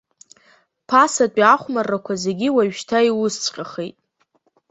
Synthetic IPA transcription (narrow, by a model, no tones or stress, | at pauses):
pʰasat͡pʷʼiaχʷmarːakʷʰazeɡʲiwaɥʃtʰaiwʊst͡sʷʼqʲʼaχejtʼ